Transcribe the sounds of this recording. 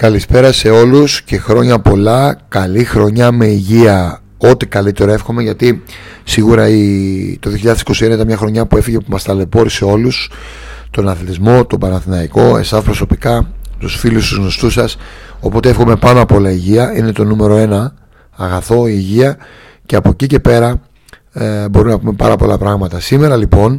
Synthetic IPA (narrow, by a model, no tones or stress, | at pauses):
kɐlispe̞ɾɐse̞o̞lusce̞xɾo̞ɲɐpo̞lɐkɐlixɾo̞ɲɐme̞iʝiɐ | o̞t̪ikɐlit̪e̞ɾo̞efxo̞me̞ʝɐt̪isiɣuɾɐit̪oðioçiʎɐðesi̥ko̞sieneit̪ɐnmɲɐxɾo̞ɲɐpue̞fiʝe̞pumɐst̪ɐle̞po̞ɾise̞o̞lus | t̪o̞nɐθlit̪izmo̞t̪o̞bɐnɐθinɐiko̞e̞̰sɐspɾo̞so̞pikɐt̪usfilust̪uzno̞st̪usɐso̞po̞t̪eefxo̞me̞pɐnɐpo̞lɐiʝiɐine̞t̪o̞nume̞ɾo̞e̞nɐː | ɣɐθo̞iːʝiɐ | ce̞ɐpo̞cice̞pe̞ɾɐ | bo̞ɾumnɐpume̞pɐ̰ɾɐpo̞lɐpɾɐɣmɐt̪ɐsime̞ɾɐlipo̞n